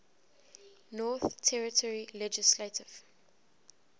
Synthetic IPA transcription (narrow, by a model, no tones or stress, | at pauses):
nɔθtʰɛɹɪtʰɔɹilɛd͡ʒɪsletʰɪv̥